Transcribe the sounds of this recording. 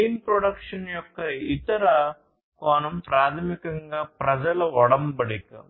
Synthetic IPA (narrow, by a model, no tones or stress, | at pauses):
iːnpɾoɽɐkʂɐnjɔkːɐit̪ɐɾɐ | koːnɐmpɾaːt̪ʰɐmikɐŋɡaːpɾɐd͡ʒɐlɐɔɽɐmbɐɽikɐ̰